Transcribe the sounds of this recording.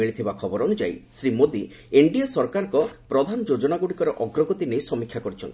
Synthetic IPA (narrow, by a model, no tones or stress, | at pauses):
iɭit̪ʰibakʰɔbɔɾɔnud͡ʒa̰jsɾimod̪i | eɳɖiasɔɾkaɾɔŋkɔpɾɔd̪ʱanɔd͡ʒod͡ʒɔnaɡuɽikɔɾɔʔɔɡɾɔɡot̪inejsɔmikʰːjakɔɾit͡ʃʰɔ̰nt̪ʰi